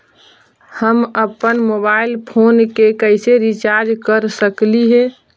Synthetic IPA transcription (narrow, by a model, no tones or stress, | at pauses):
həməpənmobailpʰonkekəɪseɾit͡ʃaɾd͡ʒkəɾsəkliɦẽ